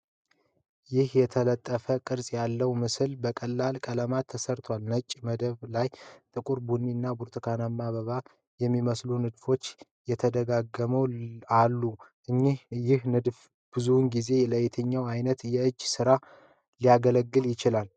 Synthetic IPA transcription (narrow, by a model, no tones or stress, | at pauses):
jɪhjɛt̪ʰələt̪ʼːəfəkʼɨɾsʼjalːəwmɨsɨlbəkʼəlːalkʼələmat̪ʰːəsəɾt̪ʰowalnət͡ʃʼːməd̪əβlajt̪ʼɨkʼuɾbunːinːabuɾt̪ʰʼɨkʰanamːaβəβa | jɛmːiməslunɨd̪fo̞t͡ʃːjɛt̪ʰəd̪əɡaɡːəməwalːuʔɨɲːihjɪhnɨd̪f | b̥ɨzunɡize̞ləjt̪ʰəɲːawajnət̪jɛɨd͡ʒːsɨɾa | lijaɡələɡːɨljɪt͡ʃɪlal